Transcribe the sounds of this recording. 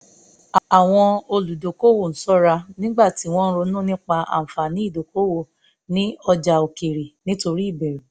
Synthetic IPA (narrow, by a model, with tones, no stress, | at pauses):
a˨w̃ɔ̃˧o˧lu˨do˨ko˦wo˦˨n̩˨˦sɔ˦ɾa˧nĩ˦ɡ͡ba˦˨ti˨˦w̃ɔ̃˦n̩˦ɾo˧˦nũ˦nĩ˦k͡pa˧ʔa̰˨fa˨nĩ˨˦i˦˨do˨ko˦wo˦˨ | nĩ˦ɔ˧d͡ʒa˨o˨ke˨ɾe˨nĩ˦to˧ɾi˦i˦˨bɛ˨ɾe˨